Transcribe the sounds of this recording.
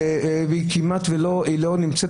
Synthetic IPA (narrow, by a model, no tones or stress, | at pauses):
veikimat̪veloilonimt͡set